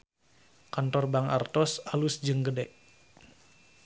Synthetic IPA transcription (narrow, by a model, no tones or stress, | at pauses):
kant̪ɔrbaŋa̰rt̪ɔsalusd͡ʒəŋɡədɛʔ